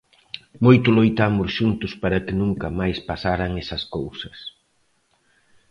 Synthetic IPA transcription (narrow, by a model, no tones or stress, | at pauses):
mojt̪ʊlojt̪amʊsʃunt̪ʊspaɾɐkɪnũŋkɐmajspasaɾɐŋɛsɐskowsɐs